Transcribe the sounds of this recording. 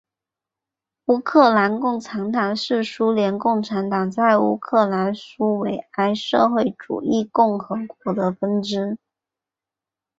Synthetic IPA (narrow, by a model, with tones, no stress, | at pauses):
u˥˧kʰɤ˥˩la˧˥nkʊ˥˩ŋʈ͡ʂʰa˧˥ŋt̪ʰa˨˩nʂɻ̩˥˩ʂu˥ljɛ˧˥nkʊ˥˩ŋʈ͡ʂʰa˧˥nt̪ɑ˨˩ŋt͡sa˥˩ɪṵ˥kʰɤ˥˩la˧˥nʂu˥we˨˩ɪa˥ɪʂɤ˥˧xwe˥˩ɪʈ͡ʂṵ˨˩i˥˧kʊ˥˩ŋxɤ˧˥kwɔ˧˥d̪ə˧fə˥nʈ͡ʂɻ̩˥